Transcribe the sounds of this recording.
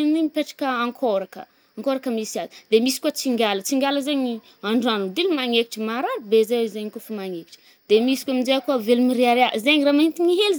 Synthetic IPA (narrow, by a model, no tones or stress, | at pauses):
nniɲipeʈ͡ʂḁkəaŋkʰoɾakə̰ | aŋkoɾakəmisiazid̪̥emisi̥kuat͡siŋɡʲalət͡siŋɡʲaləzeɲi | aɳɖ͡ʐuanud̪ilumaŋeki̥ʈ͡ʂəmaɾaɾubezewezeɲikufumaŋeki̥ʈ͡ʂə̥ | d̪̥emisi̥kwaminzeakuavelumiɾeaɾeaʔzeɲiramaɦint̪iɲiɦelz